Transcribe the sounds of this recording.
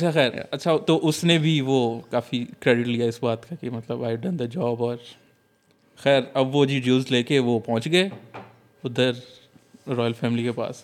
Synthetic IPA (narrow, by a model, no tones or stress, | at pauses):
ɐtːʃʰaxɛːɾ̰ɐtːʃʰat̪oʔʊsnebʱiʋokaːfikɾeːɖɪʈlijaɪsbaːt̪kakimɐt̪ləbaːɪɖɐnd̪ɐd͡ʒɔːbɔːɾ | xɛːɾɐbʋod͡ʒiɖjuːlzleːkeʋopɐ̃ɦʊ̃t͡ʃɡɐe | ʊd̪əɾ | ɾɔːjəlfɛːmɪlikepa̰ːs